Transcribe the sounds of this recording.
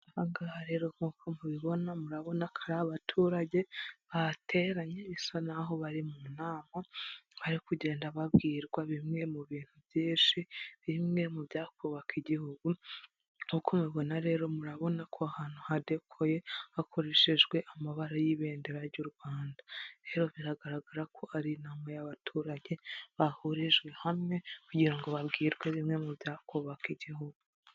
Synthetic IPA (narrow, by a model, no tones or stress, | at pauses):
haŋɡahaɾe̞ːɾokukʰomuβiβo̞namuɾaβo̞nakʰaɾaβatʰuːɾaɟe̞βatʰe̞ɾaɲeβisanaɦo̞βaɾimunaːmaβaɾikuɟe̞ːndaβabɡiːɾɡwaβimŋe̞muβiːn̥hubjiːʃiβimŋe̞mubjaːkuβakiɟihuɡu | ukumiβo̞naɾe̞ːɾo̞muɾaβo̞nakʰoahaːn̥uhade̞kʰoje̞hakʰo̞ɾe̞ːʃeʒɡwe̞ʔamaβaɾajiβe̞ːndeɾaɾjuɾɡwaːndaɾe̞ɾo̞βiɾaɡaɾaɡaɾakʰo̞ʔaɾinaːmajaβatʰuːɾaɲe̞βahoɾeʒɡwe̞hamŋe̞kuɟiɾaŋɡo̞βabɡiːɾɡwaβimŋe̞mubjaːkuβakiɟiɦuɡ̥u